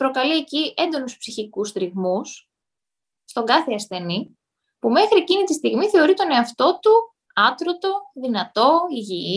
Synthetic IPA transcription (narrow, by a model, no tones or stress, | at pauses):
pɾo̞kɐlie̞ciʔend̪o̞nuspsiçikust̪ɾiɣmus | st̪o̞ŋɡɐθeɐsθe̞ni | pume̞xɾiecinit̪ist̪iɣmiθe̞o̞ɾit̪o̞ne̞ɐft̪o̞t̪u | ɐt̪ɾo̞t̪o̞ðinɐt̪o̞iʝii